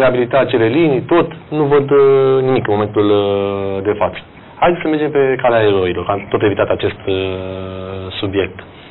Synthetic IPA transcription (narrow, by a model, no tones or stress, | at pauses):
ɾeabilit̪aːt͡ʃe̞le̞linit̪o̞t̪nuvəd̪nimikɨnmo̞me̞nt̪ul | d̪e̞fat̪sə̥ | hajd̪esəme̞rd͡ʒe̞mpe̞kaleaeɾo̞ilo̞rkat̪o̞t̪evit̪at̪eat͡ʃe̞st̪ | subje̞k̚t̪